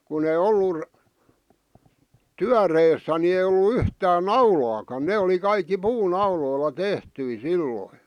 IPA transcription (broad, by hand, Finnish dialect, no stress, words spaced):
kun ei olːur tyæreːsːæ ni ei olːu yhtæːn nɑulɑːkɑn ne oli kɑikːi puːnɑuloilːɑ tehtyi silːoĭ